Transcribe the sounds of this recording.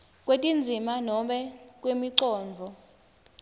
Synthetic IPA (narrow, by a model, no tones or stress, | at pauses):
kʼwetʼind͡zʱimanɔɓɛk̬ʼwemiǀɔːnvʱɔ